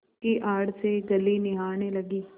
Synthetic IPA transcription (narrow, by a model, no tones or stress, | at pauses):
kiʔaːɽseɡɐlinɪɦaːnelɐɡiː